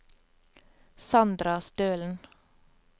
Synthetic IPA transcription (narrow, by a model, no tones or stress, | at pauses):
sɑnd̪ɾɑst̪øːln̩